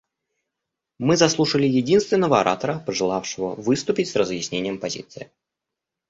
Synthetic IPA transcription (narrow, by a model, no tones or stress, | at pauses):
mɨzɐslˠuʂəlʲɪjɪdʲinst̪vʲɪnːəvəɐɾʔa̰t̪əɾəpəʐɨlˠafʂɨvə̰vɨst̪ʊpʲɪtʲsrəzjɪsʲnʲenʲɪjəmpɐzʲḭt̪sɨɪ